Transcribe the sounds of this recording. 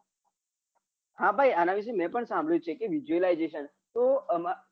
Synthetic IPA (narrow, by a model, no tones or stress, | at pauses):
ɦãbʱajanaʋiʃ̬umɛ̃pəɳsãmbʱɭjũt͡ʃʰekeʋid͡ʒuəlajd͡ʒeʃən | t̪oəma